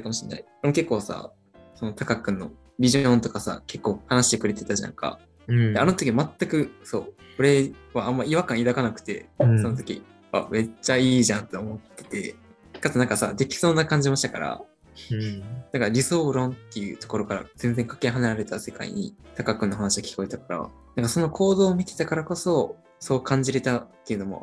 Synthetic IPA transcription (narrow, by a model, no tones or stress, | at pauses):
ɯkamo̞ɕinːa̰ikoɾemoke̞kːo̞ːsa̰ | so̞not̪ʰakakɯ̟̃nːo̞̰ | bʲiʑõ̞nt̪o̞kasa̰ke̞kːo̞ːhanaɕi̥t̪e̞kɯɾe̞t̪e̞t̪aʑã̰ŋka̰ | d̪eano̞t̪o̞kʲiβamat̪ːakɯ̟so̞ːko̞ɾe̞βaamːaiβakãɰ̃id̪akanakɯ̟̥t̪e̞̰so̞not̪o̞̥kʲḭ | a̰me̞t͡ɕaiːʑãnt̪oomo̞t̪ːe̞̥t̪e̞̰ | kat̪onãŋkasad̪e̞kʲi̥so̞ːnakãɲ̟d͡ʑimaɕi̥t̪ḁkaɾa̰ | nãŋkaɾʲiso̞ːɾõ̞nt̪ːe̞jɯ̟̰ːt̪o̞̥ko̞ɾokaɾa̰z̥ẽ̞nd͡zeŋkḁke̞ɦanaɾaɾe̞t̪ase̞ka̰ḭɲ̟ḭt̪akakɯ̟nːoɦanaɕiokʲi̥ko̞et̪akaɾa̰nãŋkaso̞no̞kʰo̞ːd̪o̞ːmʲit̪e̞̥t̪akaɾako̞so̞ | so̞ːkãɲ̟d͡ʑiɾe̞t̪at̪ːe̞jiɯ̟no̞mo̞̰